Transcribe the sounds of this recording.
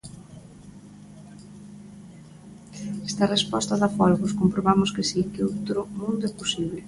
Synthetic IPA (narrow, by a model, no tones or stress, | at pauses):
ɛst̪ɐrespɔst̪ɐðafɔlɣʊskompɾoβamʊskɪsikɪowt̪ɾʊmũnd̪ʊɛposiβ̞lɪ